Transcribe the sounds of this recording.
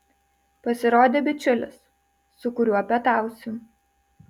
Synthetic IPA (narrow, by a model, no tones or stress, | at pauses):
pɐsʲɪɾoːd̪ʲeːbʲɪt͡ʃʲʊlʲɪ̰sː | ʊkʊɾʲuːɐpʲɛt̪ɑˑʊsʲuː